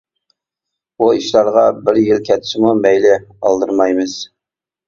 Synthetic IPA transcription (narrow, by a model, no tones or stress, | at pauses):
buiʃlɑɾʁɑbɪɾjɪlkʲʰɛt̪ʰɪ̥ʃɪmumɛjlɪɑ̰lˠd̪ɨɾmɑjmɨz̥